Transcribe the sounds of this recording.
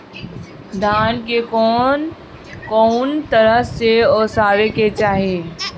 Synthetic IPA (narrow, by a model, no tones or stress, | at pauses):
d̪ʱaːnkekɔn | kɔːnt̪əɾəɦseɔːsaːɾeket͡ʃaːɦe